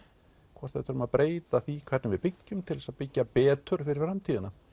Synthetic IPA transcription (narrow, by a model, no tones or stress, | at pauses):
kʰvɔ̥t̪θaθʏɾʏmaðpɾʔeːjt̪aθikʰvɛɾt̪nɪmvɪðpɪcːʏmt̪ʰɪlɛsaðpɪcːapɛːt̪ʏɾ̥fɪɾɪɾ̥fɾamt̪ʰiːðɪna